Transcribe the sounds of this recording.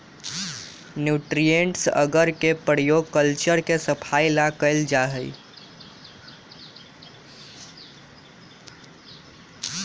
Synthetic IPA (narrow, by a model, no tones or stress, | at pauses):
njuʈɾijeɳʈsə̰ɡəɾkepəɽjoɡ̚kəlt͡ʃəɾkesəpʰajlakəɪld͡ʒaɦəj